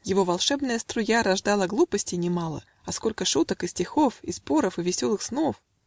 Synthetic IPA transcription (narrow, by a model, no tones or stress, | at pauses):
jɪvo̞vɐlˠʂɛbnəjəst̪ɾʊjaɾɐʐd̪ɑlˠəɡlˠupəsʲtʲɪnʲɪmɑlˠə̰ | ɐsko̞lʲkəʂut̪əkɪsʲtʲɪxo̞fispo̞ɾəfɨvʲɪsʲo̞lˠɨxsno̞f